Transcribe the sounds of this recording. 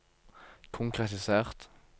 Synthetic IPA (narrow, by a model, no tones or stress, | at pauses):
kʰʊŋkʰʁɛt̪ɪseːʁt̪